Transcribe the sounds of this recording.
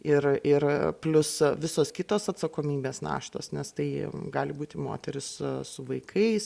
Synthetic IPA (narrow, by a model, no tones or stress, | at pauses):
ɪrɪrplʲʊsʋʲɪsoːskʲɪt̪oːsɐt̪sɐkoːmʲiːbʲeːsnɑ̰ːʃt̪o̰ːsnʲɛst̪ɐɪɡɑːlʲɪbuːt̪ʲɪmo̰ːt̪ʲɛɾʲɪssʊʋɐɪkʰɐɪs